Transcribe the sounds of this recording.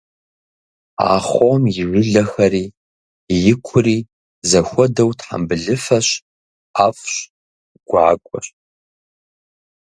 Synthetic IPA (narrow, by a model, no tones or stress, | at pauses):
a̰ːχʷomjɪʒʷʊɮɐxɐɾiː | jɪkʷʰʊriː | zɐxʷɔdɐwtʰħa̰mbɨɮɨfɐɕ | aːfɕ | ɡ̥ʷa̰ːkʷʼɔɕ